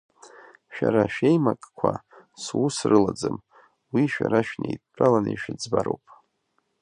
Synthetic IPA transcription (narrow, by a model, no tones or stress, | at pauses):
ʃᶣaɾaʃᶣejmakʼkʷʰaswusrɨlad͡zɨm | wiʃᶣaɾaʃᶣnejtːʼalanɨiʃᶣɪd͡zbaɾowpʼ